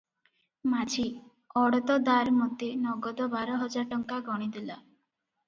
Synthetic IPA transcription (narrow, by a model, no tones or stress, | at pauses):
mad͡ʒʰi | ɔɽɔt̪ɔd̪aɾmɔt̪inɔɡɔd̪ɔbaɾɔɦɔd͡ʒaɾʈɔŋkaɡɔɽ̃id̪ila